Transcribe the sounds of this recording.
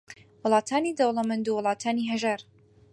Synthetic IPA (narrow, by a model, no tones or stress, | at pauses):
wʊlˠɑːt̪ʰaːnid̪ɐwlˠɐmɐnd̪uwʊlˠɑːt̪ʰaːniːɦɐʒaɾ